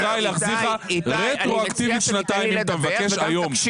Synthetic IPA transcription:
ʁajleaχziχaʁet̪ʁoakt̪ivit̪ʃnat̪aimimat̪amevake̞ʃʃajo̞m

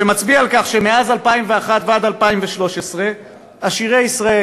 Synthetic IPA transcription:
emat͡sbialkaχʃe̞meazalpaimve̞aχat̪vead̪alpaimveʃlo̞ʃesʁe̞ | aʃiʁejisʁae

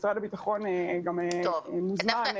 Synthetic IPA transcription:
sʁadabitaχo̞neɡamemuzmann

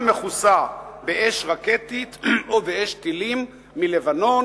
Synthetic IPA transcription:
meχusabeʔeʃʁaket̪it̪obeeʃt̪ilimː | ilevano̞

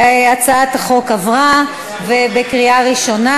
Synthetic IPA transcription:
at͡sat̪aχo̞kavʁa | vebekʁiaʁiʃo̞na

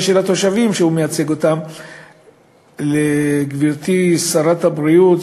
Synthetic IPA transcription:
ʃelat̪o̞ʃavimʃehumejat͡se̞ɡo̞t̪am | leɡviʁt̪isaʁat̪habʁijut̪

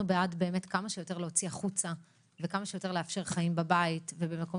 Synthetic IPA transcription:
ubeadbe̞ːmetkamaʃejote̞ʁleot͡siaχut͡sa | vekamaʃejo̞t̪e̞ʁleafʃe̞ʁχajimbabaitvebemeko̞

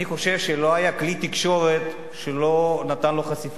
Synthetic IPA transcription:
iχo̞ʃe̞vʃelo̞ajaklit̪ikʃo̞ʁet̪ | ʃelo̞nat̪anlo̞χasif

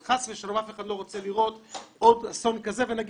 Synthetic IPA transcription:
χasviʃalomafeχad̪lˠoʁot͡sɛliʁototasɔnkazevɛnaɡ

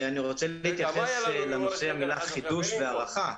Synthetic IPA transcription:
aniʁo̞t͡seleit̪jaχesslanoseamilaχid̪uʃveaʁaχa

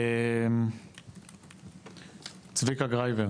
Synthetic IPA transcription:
t͡svikaɡʁajve

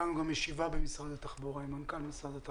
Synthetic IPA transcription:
anuɡamjeʃivabemisʁad̪at̪aχbuʁaimankalmisʁad̪at̪

